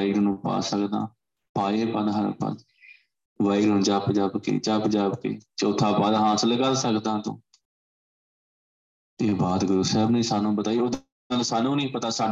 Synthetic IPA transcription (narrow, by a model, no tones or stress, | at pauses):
iːɾnũːpa̰ːsəkd̪ã̰ː | paːeːpəd̪ɦəɾ̰pə̰d̪ | ʋaːiɾɦʊnd͡ʒaːpd͡ʒaːbkḛːt͡ʃaːpd͡ʒaːbkḛːt͡ʃːʊt̪ʰːãːpaːd̪ɦãːsləɡaːsəkd̪ãːt̪õ̰ː | eːbaːd̪ɡʊɾuːsɛːbnẽːsaːnũːbət̪aːiːoːd̪ | aːlsaːnũːnĩːpət̪aːsaːn